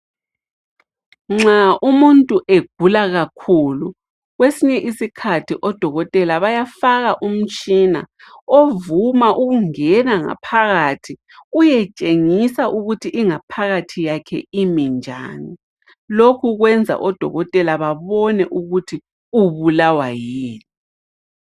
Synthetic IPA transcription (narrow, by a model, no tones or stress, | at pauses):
ŋ͡ǁaʔumuntʼuʔeɡ̥ʱulaɣakʰuːlu | ɣwesiɲɛʔisikʰatʰiʔɔd̥ʱɔɣɔtʼɛlaβajafaɣaʔum̩t͡ʃʼina̰ | ovumaʔuɣuŋɛnaŋa̰pʰaɣatʰi | ujɛt͡ʃʼeŋisaʔuɣutʰiʔiŋapʰaɣatʰijakʰɛimind͡ʒʱa̰ːni | lokʰuɣwɛnd͡zʱa̰ʔɔd̥ʱɔ̰ɣɔtʼɛlaβaβɔnɛʔuɣutʰi | uβulawajiːni